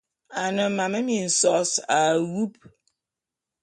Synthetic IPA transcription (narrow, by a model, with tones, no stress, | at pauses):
a˨nɪ̃˨m̩˦mã˨mɪ̃˦mĩ˨n̩˨sɔ˦sa˨wu˦p̚